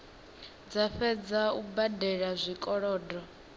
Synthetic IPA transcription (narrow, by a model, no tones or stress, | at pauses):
d͡zaɸɛd͡zaubadɛɺazʷikʼɔɺɔːdɔ